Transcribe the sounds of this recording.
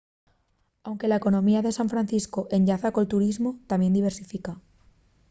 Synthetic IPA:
awŋke̞laeko̞nõ̞miaðesãɱfɾãnθiskoʔe̞ɲʎaθakolt̪uɾizmo̞t̪amje̞nd̪iβ̞e̞ɾsifika

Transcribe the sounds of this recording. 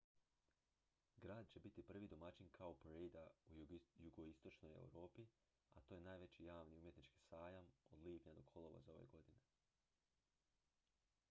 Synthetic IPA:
ɡɾaːd̪̚t͡ɕe̞bit̪ipr̩ʋid̪o̞mat͡ɕinkʰaopeɾejd̪aujuɡoist̪o̞t͡ʃno̞jḛwɾo̞ːpi | a̰t̪oːje̞naːjʋe̞t͡ɕijaːʋniumje̞t̪nit͡ʃki̥ːsaːjamod̪lˠiːpɲad̪o̞kʰo̞lˠo̞ʋa̰zao̞ʋḛɡo̞d̪ine̞

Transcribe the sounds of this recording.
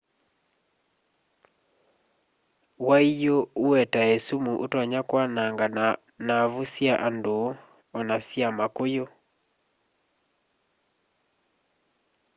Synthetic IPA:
waijouɛtaesumuʔotwaɲakwanaŋɡa | naβusjaʔando | ɔnasjamakojo

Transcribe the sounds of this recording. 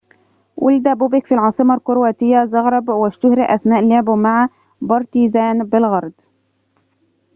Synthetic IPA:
wʔʊ̰ld̪æbʊbɪkfilʕɑːsˤɨmɑlqʊɾwaːt̪ɪjːazɑɣɾˤɑbwɪʃt̪ʊhɾɪʔæθnaːʔleʕbmaʕa | bɑɾˤt̪iːzaːnbɪlɣɑɾˤd̪ˤ

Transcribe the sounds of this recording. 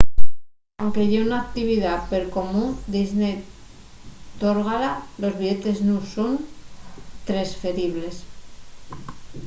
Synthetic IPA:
awŋke̞ʝeunak̚t̪iβ̞iðape̞ɾko̞mũnd̪iznej | t̪oɾɣalalo̞zβiʝe̞t̪e̞znuson | t̪ɾe̞sfe̞ɾiβ̞le̞s

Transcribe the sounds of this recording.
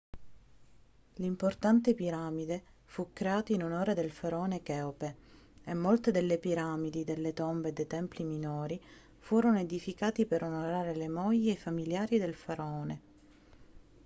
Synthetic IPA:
limport̪ant̪epiɾamid̪e | fukːɾeaːt̪oinonoːɾed̪elfaɾɔːnekɛope | emːolt̪ed̪elːepiɾamid̪id̪elːet̪ombed̪et̪ɛmpliminoːɾi | fuːɾonoed̪ifikaːt̪ipeɾonoɾaːɾelemɔjːeːfamiljaːɾid̪elfaɾaɔːne

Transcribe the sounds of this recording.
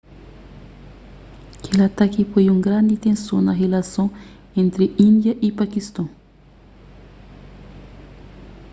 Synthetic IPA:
kʰelat̪akipojũŋɡɾãnd̪it̪ẽnsõnɐɦelasõŋ | ẽnt̪ɾeĩnd̪jaʔipakist̪õŋ

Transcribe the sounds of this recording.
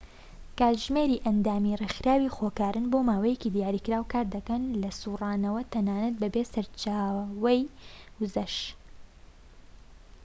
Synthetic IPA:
kaːtʒmeːɾiːʔɐnd̪aːmirexɨɾaːwixokaːɾʔɨnboːmaːwɐjekiːd̪ijaːɾiːkɾaːwkaːɾd̪ɐkɐnlɐsuːrɑːnɐwɐt̪ʰɐnaːnɐt̪̚bɐbesɐɾt͡ʃaːwɐjwʊzɐʃ

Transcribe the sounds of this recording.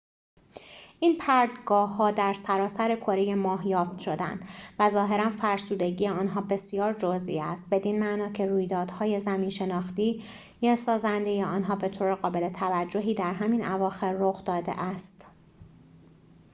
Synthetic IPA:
ʔiːnpʰæɾd̪ɡɒːhːɒːd̪æɾsæɾɒːsæɾe̞kʰo̞ɾejemɒːɦjɒːft̪ʃo̞d̪æ̰nd̪væzɒːɦe̞ɾænfæɾsuːd̪e̞ɟijeɒːnɦɒːbe̞sijɒːɾd͡ʒozḭæst̪̚be̞d̪inmæʔnɒːcʰeɾuːjd̪ɒːd̪̥hɒːje̞zæmiːnʃe̞nɒːxt̪iː | jesɒːzænd̪e̞jeɒːnɦɒːbe̞t̪ʰoːɾeɣɒːbe̞let̪ʰævæd͡ʒːo̞ɦiːd̪æɾɦæminʔævɒːxe̞ɾːoxd̪ɒːd̪e̞̰ʔæst̪

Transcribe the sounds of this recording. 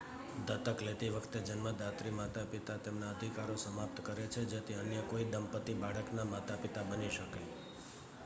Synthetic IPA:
d̪ət̪əklet̪iʋəkʰt̪ed͡ʒənməd̪ʱat̪ɾimat̪apit̪at̪emnaəd̪ʱikaɾosəmap̚t̪kəɾet͡ʃʰed͡ʒet̪ʰiənjəkoid̪əmpət̪ibaɽəknamat̪apit̪abəniʃəke

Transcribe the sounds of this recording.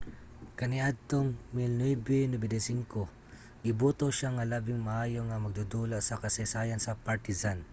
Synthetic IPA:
kɐniʔad̪̚t̪oŋmɪlnwɛbɛnɛbɛd̪ɛsiŋko | ʔɪbuːt̪oʃaŋalaːbɪŋmaʔaːjoŋɐmɐɡ̚d̪ud̪ulaʔsɐkɐsajsaːjansɐpaɹt̪ɪzan

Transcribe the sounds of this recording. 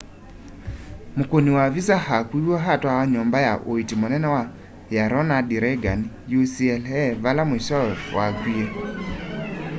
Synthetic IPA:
mokoniwaβisahakwiwɔɦatwawaɲɔmbajaʔoitimonɛnɛwa | jaɾɔnadiɾɛɡanijusiɛlɛβalamweʃɔwakwiɛ

